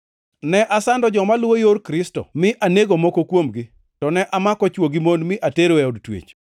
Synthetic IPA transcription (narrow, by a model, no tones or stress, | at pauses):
nɛʔasandɔd͡ʒɔmalwojoɾkɾɪstɔ̰mɪʔaneɡomokokwomɡɪ | tɔnɛʔamakɔt͡ʃwoɡimonmɪʔateɾoɛodtwḛt͡ʃ